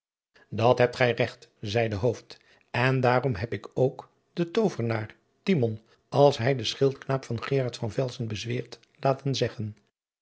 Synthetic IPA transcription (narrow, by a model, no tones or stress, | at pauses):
dɑtɦɛp̚tχɛjrɛχtzɛjdəɦowft | ɛndaːrɔmɦɛpɪkowk | dətowvəɹnaːɹ | timɔn | ɑlˠsɦɛjdəsχɪlˠtknaːpfɑnχɪːʁɑɹtfɑnvɛlˠsənbəzʋɪːɹt | laːtənzɛχən